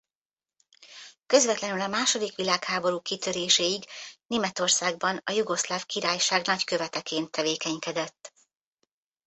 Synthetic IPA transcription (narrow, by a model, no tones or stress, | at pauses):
kø̞zvɛt̪lɛnylɒmaːʃo̞d̪ikʋilaːkhaːbo̞ɾuːkit̪øɾeːʃeːiɡneːmɛt̪o̞rsaːɡbɒnɒjuɡo̞slaːfkiɾaːjʃaːɡnɒckø̞vɛt̪ɛkeːnt̪ʰːɛveːkɛɲkɛd̪ɛt̪ː